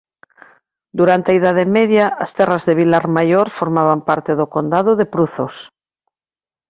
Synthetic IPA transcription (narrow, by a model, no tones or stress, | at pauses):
d̪uɾant̪eaiðað̞emeðjaʔːst̪ɛrazðeβ̞ilaɾmajoɾfoɾmaβ̞ampaɾt̪eðokond̪aðoðepɾuθos